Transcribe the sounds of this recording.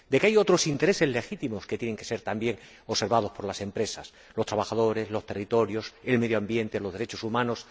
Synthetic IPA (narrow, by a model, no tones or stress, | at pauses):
d̪e̞keajo̞t̪ɾo̞sint̪e̞ɾe̞se̞zle̞xit̪imo̞ske̞t̪je̞ne̞ŋke̞se̞ɾt̪ambje̞ŋ | ose̞ɾβað̞o̞spo̞ɾlase̞mpɾe̞sas | lo̞st̪ɾaβaxaðo̞ɾe̞zlo̞st̪e̞rit̪o̞ɾjo̞se̞lme̞ðjoambje̞nt̪elozðe̞ɾe̞t͡ʃo̞sumãno̞s